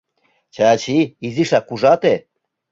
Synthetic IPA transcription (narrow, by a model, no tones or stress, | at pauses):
t͡ʃʰaːt͡ʃʰiːziʃakuʐat̪ɛ